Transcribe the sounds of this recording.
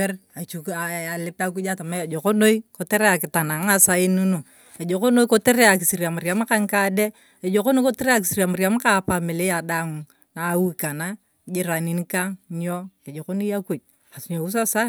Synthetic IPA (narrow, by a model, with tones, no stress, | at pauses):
ɛ˦ra˨t͡ʃu˨ka˨lɪ˦pa˦k̬u˦d͡ʒa˦ta˨ma˦e˨d͡ʒo˨ko˦no˦i˦ko˨te˦ɾe˦a˨kɪ˨ta˨na˨ŋ˦a˦sa˦ɪ˦nu˦no˨ | e˨d͡ʒo˨ko˦no˦i˦ko˦te˦ɾe˦a˨k̬ɪ˨si˨ɾa˨ma˨ɾja˦m˦ka˦ŋka˦de˦ | e˨d͡ʒo˨ko˦no˦ko˦te˦ɾe˦a˦k̬ɪ˨si˨ɾa˨ma˨ɾja˦m˦ka˦pa˨mɪ˨le˦a˨da˨ŋ | na˨˦u˦ka˨na˦ | d͡ʒɪ˦ɾa˨ni˦ni˦ka˦ŋɲo˦ke˨d͡ʒo˨ko˦no˦ja˦ku˦˨d͡ʒ | a˨sɲo˨u˦s̬a˦sa˦